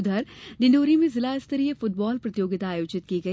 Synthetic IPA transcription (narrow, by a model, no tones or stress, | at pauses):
d̪ʱɐɾɖɪ̃ɳɖoːɾimẽzɪlaɪst̪əɾijəfʊʈ̚bɔːlpɾɐt̪ɪjoːɡɪt̪aːjoːd͡ʒɪt̪̚kiɡɐi